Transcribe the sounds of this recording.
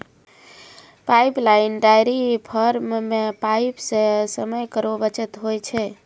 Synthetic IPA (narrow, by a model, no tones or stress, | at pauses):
pajplaɪnɖajɾipʰəɾmmepajpsẽsəməjkəɾobət͡ʃət̪ɦojt͡ʃʰɛ